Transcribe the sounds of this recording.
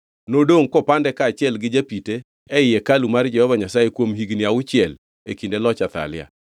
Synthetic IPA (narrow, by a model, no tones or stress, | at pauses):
nodoŋkɔpandɛkat͡ʃɪɛlɡɪd͡ʒapite | ɛɪjekalumard͡ʒɛhɔvaɲasajekwomɦiɡniaʊt͡ʃɪɛl | ḛkindelɔt͡ʃat̪a̰lɪ̰a̰